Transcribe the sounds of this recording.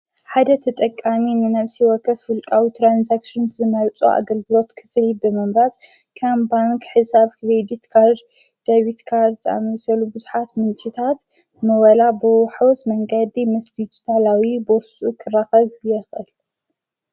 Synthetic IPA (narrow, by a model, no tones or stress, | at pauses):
ħad̪ɐt̪ʰɐt̪ʼɐkʼːaminɨnɐsiwɔkʰːɐfɨlkʼawit̪ʰɾanzakʃonzɨmɐɾt͡sʼṵʔa̰ɡɐlɡɨlo̞t̪kʰɨ̥flibɨmɨmɾaz | kʰɐmbaŋkʰħɨsaβkɾed̪it̪kʰaɾd̪ | d̪̥ɐβit̪kʰaɾd̪zɨʔa̰mɐsɐlubɨzuħat̪mɨnt͡ʃʼɪt̪ʰat̪ | mɐwɐlabɨħawɔsmɐŋɡɐd̪imɐslit͡ʃt̪ʰalawiboɾsʼukʰɨrːaxɐβjɛxʔɨl